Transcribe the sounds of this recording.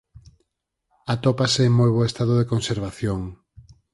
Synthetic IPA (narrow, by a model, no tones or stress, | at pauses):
at̪opaseːŋmojβ̞oest̪aðoðekonseɾβ̞aθjoŋ